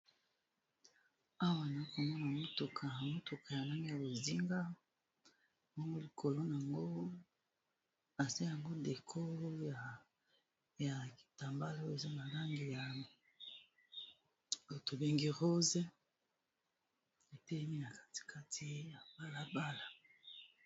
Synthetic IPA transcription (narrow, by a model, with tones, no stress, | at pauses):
a˦wa˨na˨i˦ko˨mɔ˦na˨mo˦to˨kʰa˨mo˦to˨kʰa˨ja˨na˦ŋi˦ja˨bo˨zi˦ŋɡa˦˨ | mo˦ŋɡo˦li˨kʰo˨lo˦na˨a˨ŋɡo˦ | a˨za˦ja˨ŋɡo˦de˨kʰo˦ja˨ | ja˨ki̥˨ta˨mba˦la˦o˦e˨za˦na˨la˦ŋɡi˨ja˨ | o˨to˨be˦ŋɡi˦ʁo˦ze˦ | e˨tɛ˦lɛ˦mi˦na˨kḁ˦ti̥˨ka˦tʰi˦ja˨ba˦la˦ba˦la˨